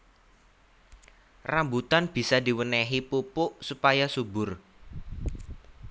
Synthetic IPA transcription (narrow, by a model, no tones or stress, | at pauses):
rambut̪anb̥i̤sad̪i̤wənɛɦipupʊʔsupajasubʊr